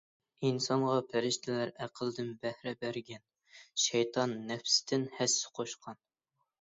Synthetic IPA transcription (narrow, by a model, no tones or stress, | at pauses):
insɑɴʁɑpʰæɾɪʃt̪ʰɪlæɾæqʰəlˠd̪ɨnbæhɾɛbæɾɡʲɛn | ʃɛjt̪ʰɑnːɛfst̪ʰɪnhæsːɪ̥qʰoʃqʰɑn